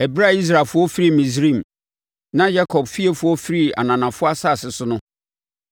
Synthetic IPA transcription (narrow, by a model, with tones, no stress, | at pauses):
ɛ˨bɾa˦˨i˦s̬ɾa˨fʊ˦ɔ˦fi˦ɾi˦˨mĩ˨s̬ɾĩ˦˨m | nã˦ja˦kʰɔ˨bfi˦e˨fʊ˨ɔ˦fi˦ɾi˦˨a̰˨nã˨nã˨fʊ˦a˦sa˦˨sɪ˨sʊ˦nʊ̃˦